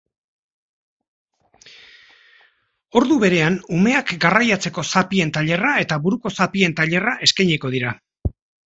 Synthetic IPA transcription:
o̞ɾðuβe̞ɾe̞anume̞akɡarajat͡se̞ko̞sapie̞nt̪aʎe̞rae̞t̪aβuɾuko̞sapie̞nt̪aʎe̞raʔe̞skajɲeko̞ð̞iɾa

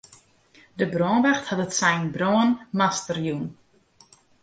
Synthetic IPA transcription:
dəbroːnbɛxthatətsɛjnbroənmastərjun

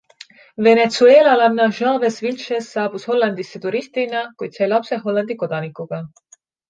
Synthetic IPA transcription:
ve̞net̪sueːlɑlɑnnɑʒɑːvesvilʃesːɑːb̥usho̞lːɑnd̪̥isːet̪uɾist̪inɑkujd̪̥sɑjlɑpse̞ɦo̞lːɑnd̪̥iko̞d̪̥ɑnikːˑuɡ̥ɑ

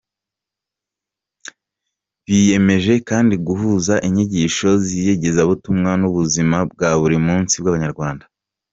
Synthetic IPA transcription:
βije̞me̞ʒe̞kaːndiɡuɦuːzaʔiɲiɟiʃo̞zijeɟe̞zaβutumŋanuβuzimab̚ɡaβuɾimuːnsibɡaβaɲaɾɡwaːndḁ

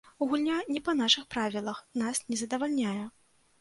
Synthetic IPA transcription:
uɣulʲnʲanʲɛpɐnaʂɨxpɾavʲilˠɐxnasnʲɛzɐd̪ɐvalʲnʲajɛ

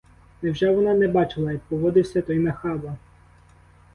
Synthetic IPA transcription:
nɛwʒɛʋɔnɑnɛbɑt͡ʃɪlˠɐjpɔʋɔd̪ɪwsʲɐt̪ɔjmɛxɑbɐ

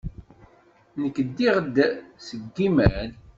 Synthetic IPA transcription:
nəkːəd̪ːiʁd̪səɡːimæn

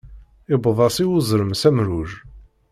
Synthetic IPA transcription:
ɪbəðˤɑsˤiwʊzˤɾəmsæmɾuʒ

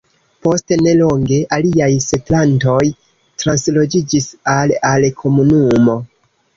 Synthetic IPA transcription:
po̞stene̞lo̞ŋɡe̞ʔaliajsetlanto̞j | tɾanslo̞d͡ʒid͡ʒisalalkʰo̞munumo̞

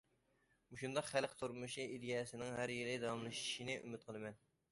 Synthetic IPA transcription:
muʃund̪ɑqχælqt̪ʰuɾmuʃiʔid̪ijɑsɪnɪŋɦæɾjilɪd̪ɑwɑmlˠɨʃi̥ʃinɪʔy̰mɪt̪̚qʰəlˠɨmɛn

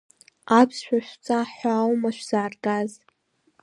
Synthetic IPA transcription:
apʰsʃʷᶣaʃʷt͡sʼaħʷawmaʃʷᶣz̥aːrɡaz

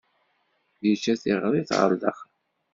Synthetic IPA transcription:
jət͡ʃːæθiʁɾˤiθʁə̰ɾdə̰χ

